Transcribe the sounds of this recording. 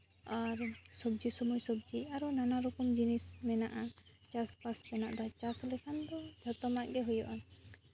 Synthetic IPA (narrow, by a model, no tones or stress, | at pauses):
aɾsɔbd͡ʒisɔmɔjsɔbd͡ʒiaɾɔnanaɾɔkɔmd͡ʒinismɛnaʔat͡ʃaspasmɛna̰ʔd̪ɔt͡ʃasɔlɛkʰand̪ɔbʱɔt̪ɔmaʔɡɛɦujɔʔan